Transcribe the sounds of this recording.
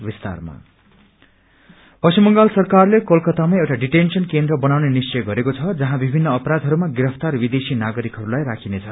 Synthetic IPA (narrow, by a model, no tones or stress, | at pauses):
bist̪a̰rma̰ | pʌsimːʌŋɡalsʌrkarlekolkʌt̪amajewʈaɖiʈensʌnkend̪rʌbʌnawnenist͡sʌjɡʌɾekot͡sʰʌd͡zʌɦãbibʱinːʌːpʌɾad̪ʱɦʌɾumaɡiɾʌpʰt̪arbid̪esinaɡʌɾikɦʌɾulajrakʰinet͡sʰʌ